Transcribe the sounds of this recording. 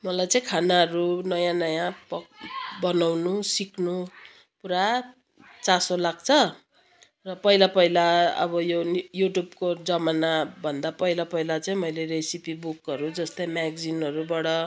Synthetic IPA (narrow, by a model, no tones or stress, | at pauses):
mʌlajt͡saĩkʰanaʌɾunʌjãnʌjãpbʌnawnusiknu | puɾa | t͡sasolaɡ̚t͡sʰʌ | rʌpʌilapʌilaʌ̰bʌjojuʈjubkod͡zʌmanabʱʌnd̪apʌilapʌilat͡saĩmʌjleɾesipibukʌɾud͡zʌst̪ʌjmaɡd͡zinʌɾubaɽʌ